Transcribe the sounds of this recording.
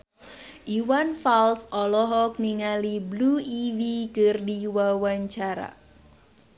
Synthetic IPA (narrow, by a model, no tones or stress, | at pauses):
ʔiwanfalsɔlɔɦɔk̚niŋalibluiwikɨrdiwawaɲt͡ʃaɾa̰